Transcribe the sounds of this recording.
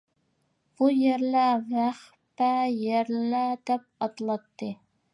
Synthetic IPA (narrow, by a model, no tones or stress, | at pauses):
b̥ujɛɾlævæχ | pæjɛɾlæd̪ɛp̚ɑt̪lˠɑt̪ːɨ